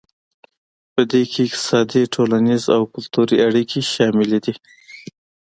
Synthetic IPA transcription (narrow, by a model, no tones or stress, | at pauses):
pəd̪ekʰeɪk̚t̪ɪ̥sɑd̪iʈʰolaniza̰wkʊlt̪uɾiaɽikʰeʃɑmɪled̪i